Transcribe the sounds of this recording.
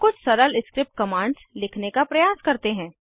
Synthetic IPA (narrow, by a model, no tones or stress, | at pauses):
kʊt͡ʃʰsɐɾəlɪskɾɪp̚ʈ̚kɐmãːɳɖslɪkʰnekapɾɐjaːskɐɾt̪eɦɛ̃ː